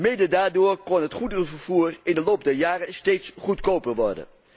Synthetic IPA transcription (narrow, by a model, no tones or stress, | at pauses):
mɪdədaːɹdʊːɹkɔnɦətχudərəvəɹv̥uːrɪndəlowp̚dɛɹjaːrəstejtsχutkowpəɹʋɔ̰ɹdə̰n